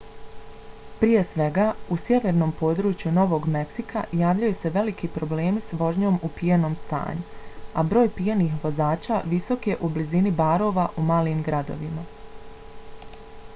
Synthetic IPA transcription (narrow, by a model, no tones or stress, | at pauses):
pɾije̞sʋe̞ɡaːusje̞ʋe̞ɾno̞ːmpo̞ːd̪ɾuːt͡ʃjuno̞ʋo̞ɡme̞ksika̰jaːʋʎajuse̞ʋe̞likipɾo̞ble̞ːmisʋo̞ʒɲo̞ːmupijeno̞ːmst̪a̰ːɲuabɾo̞ːjpieniːxʋo̞zaːt͡ʃaːʋiso̞kjeʔublizinibaːɾo̞ːʋaʔumaːliːmɡɾad̪o̞̰ʋima